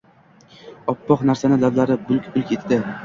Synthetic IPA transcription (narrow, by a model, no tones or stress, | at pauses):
ɒpːɒqnaɾsanɪlad̪laɾɪbʊlˠkʲbʊlkʲet̪ːd̪ɪ